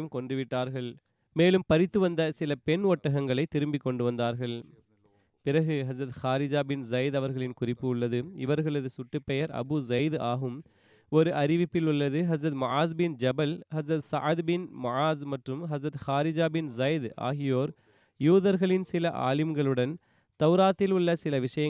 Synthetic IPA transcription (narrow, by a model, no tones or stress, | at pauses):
mkɔɳɖɯʋɪʈːaːɾɣɐɭ | meːlɯmpɐɾɪt̪ːɯʋɐnd̪ɐsɪlɐpɛɳɔʈːɐɣɐŋɡɐɭɐɪt̪ːɪɾɯmbɪkːɔɳɖɯʋɐnd̪aːɾɣɐɭ | pɪrɐɣɯɦɐzɾɐt̪xaːɾɪd͡ʒaːbɪnzɐɪd̪ɐʋɐɾɣɐɭɪnkʊrɪpːɯʊɭːɐðɯɪ̰ʋɐɾɣɐɭɐðɯsʊʈːɯpːɛjɐɾɐ̰bɯzɐɪd̪aːɣɯm | ɔɾɯʔɐɾɪʋɪpːɪlʊɭːɐðɯɦɐzɾɐt̪mʊʔaːzbɪnd͡ʒɐbɐlhɐzɾɐt̪sɐʕɐd̪bɪnmʊʕaːzmɐʈrɯmɦɐzɾɐt̪xaːɾɪd͡ʒaːbɪnzɐjd̪a̰ːɣɪjoːɾ | juːðɐɾɣɐɭɪnsɪlɐʔa̰ːlɪmɡɐɭɯɽɐn | t̪ɐʋɾaːt̪ːɪlʊɭːɐsɪlɐʋɪʂɐjɐ